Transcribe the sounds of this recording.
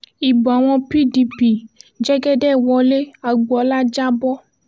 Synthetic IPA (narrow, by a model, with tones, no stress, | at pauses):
i˨bɔ˨a˨w̃ɔ̃˦pi˦ɖi˨pi˨d͡ʒɛ˦ɡɛ˦ɖɛ˦˨wɔ˨le˦a˨ɡ͡bɔ˨la˦d͡ʒa˦bɔ˦